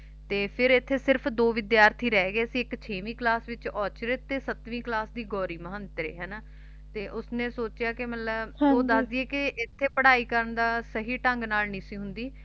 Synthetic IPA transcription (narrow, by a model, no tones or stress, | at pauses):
t̪eːpʰɪɾɪt̪ʰːeːsɪɾpʰd̪oːʋɪd̪jaːɾt̪ʰiːɾɛːɡeːsĩːɪkt͡ʃʰeːʋĩːklaːsʋɪt͡ʃɔːt͡ʃɾet̪ːeːsət̪ʋĩːklaːsd̪iːɡɔːɾiːməɦənt̪ɾḛːɦɛːnaː | t̪eːʔʊsnẽːsoːt͡ʃɪjaːkɪmət̪ləboːd̪əsd̪ieːkɪʔɪt̪ʰːeːpəɽaːiːkəɾənd̪aːsəɦiːʈə̃ŋɡnaːlnɪsĩːɦʊnd̪iː